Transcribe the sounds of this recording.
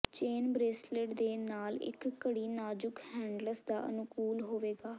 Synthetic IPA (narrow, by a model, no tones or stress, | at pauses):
t͡ʃeːnbɾeːsleʈd̪eːnaːlɪ̰kkːəɽiːnaːd͡ʒʊkhɛ̃ːɳɖləsd̪aːʔə̰nʊkuːlɦoːʋeːɡaː